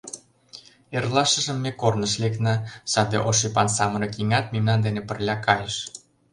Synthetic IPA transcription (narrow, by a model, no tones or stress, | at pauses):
erlɑʃə̆ʒə̆mːekornəʃlek̪nɑsɑd̪eʔoʃ̬ipɑnsɑmənɤkiŋɑt̪̚mimnɑnd̪enepə̆rlʲɑkɑjəʃ